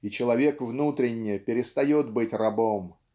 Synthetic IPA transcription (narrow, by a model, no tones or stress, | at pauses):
it͡ɕɪlˠɐvʲe̞kvnut̪ɾʲɪnʲːɪjəpʲɪɾʲɪst̪ɐjot̪bɨtʲrɐbo̞m